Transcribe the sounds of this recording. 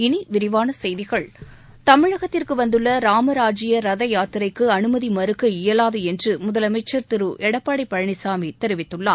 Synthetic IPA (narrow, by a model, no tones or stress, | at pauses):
ɪniʋɪɾɪʋaːnɐsɛjðɪɣɐɭ | t̪ɐmɪɻɐɣɐt̪ːɪrkɯʋɐnd̪ɯɭːɐɾaːmɐɾaːd͡ʒɪjɐɾɐðɐjaːt̪ɯɾɐɪkːɯɐnɯmɐðimɐɾɯkːɐɪjɐlaːðɯɛndrɯmʊðɐlɐmɐɪt͡ʃːɐɾt̪ɪɾɯʔɛɽɐpːaːɽɐɪpːɐɻɐɳɪsaːmit̪ɛɾɪʋɪt̪ːɯɭːaːm